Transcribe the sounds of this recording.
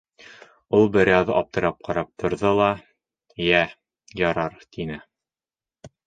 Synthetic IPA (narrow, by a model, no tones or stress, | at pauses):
ulˠbɘ̆ɾæwðɤɒp̚t̪ɤ̆ɾɑp̚qʰɑɾɑp̚t̪ʰŏɾðɤlˠɑ | jæ | jɑɾɑɾt̪inɘ